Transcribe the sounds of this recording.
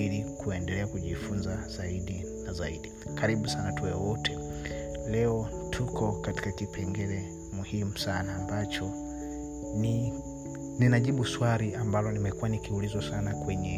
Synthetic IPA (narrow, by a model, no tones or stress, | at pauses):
ilikuɛndɛlɛakuʄifunzaz̥aidinazaidikaɾiɓusanatwɛɔwɔtʰɛ | lɛɔtʰukʰɔkati̥kakipʰɛŋɡɛlɛ | muhimusanaːmbat͡ʃɔ | ni | ninaɟibuswaɾiambalɔnimɛkuanikiulizɔsanakwɛɲɛ